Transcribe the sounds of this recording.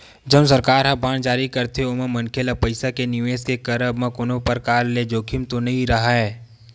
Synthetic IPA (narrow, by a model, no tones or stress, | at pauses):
d͡ʒəmsəɾkaːɾɦɐ̃bãːnd͡ʒaːɾikɐɾt̪eʊməmɐnkʰelapəɪsakenɪʋeːskekɐɾəbmə̃kʊnõpɐɾkaːlːed͡ʒoːkʰɪmt̪onɐɦĩɾɐɦaɦɛː